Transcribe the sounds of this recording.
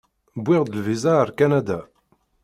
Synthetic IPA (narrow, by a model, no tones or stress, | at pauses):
bʷːɪʁd̪əlvizaɾkanæd̪æ